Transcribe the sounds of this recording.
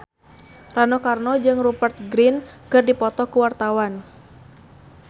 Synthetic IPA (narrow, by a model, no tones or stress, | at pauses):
ranokarnɔd͡ʒɨŋrubərt̪̚ɡɾinkɨrdipɔt̪ɔkuwart̪awan